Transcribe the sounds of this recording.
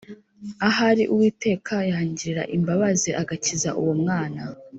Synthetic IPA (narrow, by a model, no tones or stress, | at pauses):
aɦaɾiʔuwiːte̞ːkʰajaːɲɟiɾiɾa̰ʔimbaβazeʔaɡaciza̰ʔṵwomŋaːna